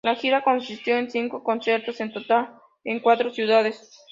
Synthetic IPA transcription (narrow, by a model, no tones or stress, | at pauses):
laxiɾakonsist̪jo̞ensiŋkokonsjeɾt̪osent̪ot̪al | eŋkwat̪ɾosjuðað̞es